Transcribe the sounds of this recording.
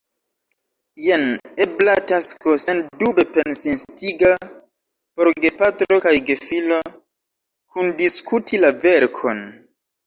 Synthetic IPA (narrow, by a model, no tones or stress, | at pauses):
jeneblataskosentdube̞pe̞nsinstiɡa | po̞ɾɡe̞patɾo̞kajɡe̞filo | kʰundiskutʰilave̞ɾkʰo̞n